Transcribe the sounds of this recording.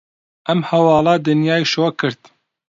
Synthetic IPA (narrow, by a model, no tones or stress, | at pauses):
ʔɛmhɛwɑːlɑːd̪ɨnjɑːjʃoːkʰɨɾd̪